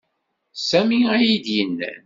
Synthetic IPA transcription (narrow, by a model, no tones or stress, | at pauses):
sæmiæjid̪jənːæ̰n